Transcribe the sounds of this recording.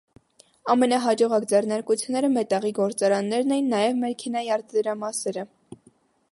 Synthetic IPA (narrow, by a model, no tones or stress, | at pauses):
ɑmɛnɑɦɑd͡ʒɔʁɑkd͡zɛrnɑɾkut͡sʰjunːɛɾəmɛt̪ɑʁiɡɔɾt͡sɑɾɑnːɛɾnɛjinːɑjɛvmɛɾkʰɛnɑjɑɾt̪ʰd̪əɾɑmɑsɛɾə